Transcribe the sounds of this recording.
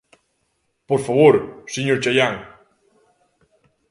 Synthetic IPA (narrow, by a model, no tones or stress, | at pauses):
poɾfaβoɾseɲoɾt͡ʃajaŋ